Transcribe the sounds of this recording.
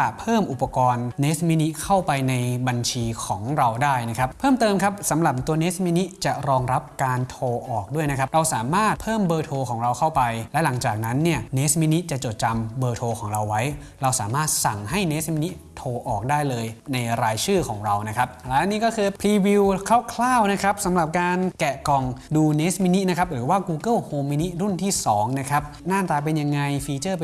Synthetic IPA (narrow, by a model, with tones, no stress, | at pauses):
a˩pʰɤː˥˩mʔu˨˩pːa˧kɔː˧nːe˦˥smi˦˥ni˦˥kʰa˥˩wpa˧jna˧jba˧nt͡ɕʰiː˧kʰɔː˩˦ŋɾa˧wdaː˥˩jna˦˥kʰa˦˥p̚ʰɤː˥˩mt̪ɤː˧mkʰa˦˥p̚sa˩˦mɾa˨˩p̚t̪u˧ɐneː˦˥smi˦˥ni˦˥t͡ɕa˨˩ɾɔː˧ŋɾa˦˥p̚kaː˧nt̪ʰoː˧ʔɔː˨˩k̚du˥˩əjna˦˥kʰa˦˥ɾa˧wsaː˩˦maː˥˩t̪̚pʰɤː˥˩mbɤː˧t̪ʰoː˧kʰɔː˩˦ŋɾa˧wkʰa˥˩wpa˧jlɛ˦˥la˩˦ŋt͡ɕaː˨˩k̚na˦˥nːi˥˩ɐneː˦˥smi˦˥ni˦˥t͡ɕa˨˩t͡ɕo˨˩t̪̚t͡ɕa˧mbɤː˧t̪ʰoː˧kʰɔː˩˦ŋɾa˧wːa˦˥j | ɾa˧wsaː˩˦maː˥˩t̪̚sa˨˩ŋɦa˥˩jne˦˥smi˦˥ni˦˥t̪ʰoː˧ʔɔː˨˩k̚daː˥˩jlɤː˧jna˧jɾaː˧jt͡ɕʰɯː˥˩kʰɔː˩˦ŋɾa˧wna˦˥kʰa˦˥p̚a˧˩˥a˧niː˥˩kɔː˥˩kʰɯː˧pʰliː˧wi˧wkʰaː˥˩wkʰlaː˥˩wna˦˥kʰa˦˥p̚sa˩˦mɾa˨˩p̚kaː˧nkɛ˨˩kɔ˨˩ŋduː˧neː˦˥smi˦˥ni˦˥ʔna˦˥kʰp̚ɾɯː˩˦waː˥˩kuː˧kɤ˥˩lhoː˧mːi˦˥ni˦˥t̪̚ɾu˥˩nt̪ʰiː˥˩sɔː˩˦ŋna˦˥kʰa˦˥p̚naː˥˩mt̪aː˧p̬e˧nja˧ŋːa˧jfiː˧t͡ɕɤː˥˩p